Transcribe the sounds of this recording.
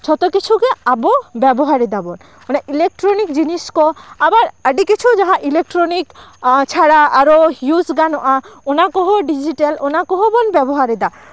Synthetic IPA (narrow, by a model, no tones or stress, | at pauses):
t͡ʃʰɔt̪okit͡ɕʰukeabobɛbɔɦaɾed̪abɔn | onaʔilek̚ʈɾonikd͡ʑiniskɔabaɾaɖikit͡ʃʰud͡ʒaɦãʔilek̚ʈɾonikt͡ʃʰaɽaaɾohjusɡanɔʔaonakɔɦoɖid͡ʑiʈalonakɔɦobɔnbɛbɔɦaɾed̪a